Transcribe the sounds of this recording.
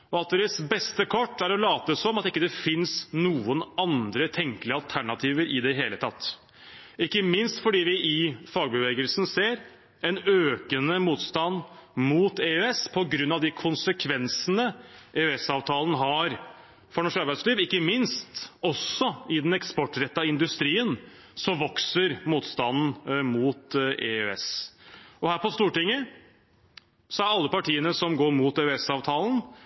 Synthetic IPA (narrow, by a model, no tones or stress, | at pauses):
ɔɑlt̪ːɾɪsbɛst̪əkʰɔʈːæɾɔlɑːt̪əsɔmɑt̪ɪkːəd̪ɛfɪnsnuːənɑnd̪ɾət̪ʰɛŋkəlɪəɑlt̪ʰæɳɑt̪ʰiːʋəɾʔɪd̪ɛɦeːlət̪ʰɑt̪ː | ɪkːəmɪnst̪fɔɖiːʋɪʔɪfɑːɡbəʋeːɡəlsn̩seːɾ | ɛnøːkənəmuːt̪st̪ɑnmut̪eøɛspʰɔɡɾʉnːɑʋd̪ɪkʰʊnsəkʰʋɛnsənəʔeøɛsɑːʋt̪ʰɑːlənɦɑɾ | fɔɳɔʂkɑɾbæɪd̪sliːʋɪkːəmɪnst̪ɔsːɔɪd̪ɛnɛkspɔʈːɾɛt̪ːɑɪnd̪ʉst̪ɾiːən | sɔmʋɔksəɾmuːt̪st̪ɑnn̩muːt̪ḛøɛ̰s | ɔhæːɾpɔst̪uːʈɪŋːə | sɔæɾɑlːəpɑʈiːənəsɔmɡoːɾmuːt̪eøɛsɑːʋt̪ʰɑːlən̩